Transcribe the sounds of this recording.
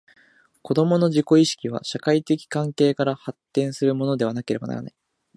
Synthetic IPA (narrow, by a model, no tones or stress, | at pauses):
ko̞d̪o̞mo̞no̞ʑiko̞iɕi̥kʲiβ̞a̰ɕakait̪e̞kʲi̥kãŋke̞ːkaɾahat̪ːẽ̞ɰ̃sɨɾɯ̟mo̞nod̪e̞β̞anake̞ɾe̞bana̰ɾa̰na̰i